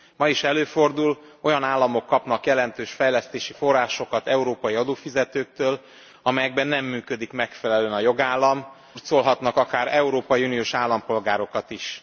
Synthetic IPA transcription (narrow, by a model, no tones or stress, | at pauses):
mɒiʃɛløːfo̞rd̪ulo̞jɒnaːlːɒmo̞kːɒpn̪ɒkjɛlɛnt̪øːʃfɛjlɛst̪eːʃifo̞rːaːʃo̞kɒt̪ɛuɾoːpɒjiɒd̪oːfizɛt̪øːk̚t̪øːl | ɒmɛjɛɡ̚bɛnːɛmːyːkø̞d̪ikmɛkfɛlɛløːnɒjo̞ɡaːlːɒm | rt̪solɦɒt̪nɒkɒkaːɾɛuɾoːpɒjiunijoːʃaːlːɒmpo̞lɡaːɾo̞kɒt̪iʃ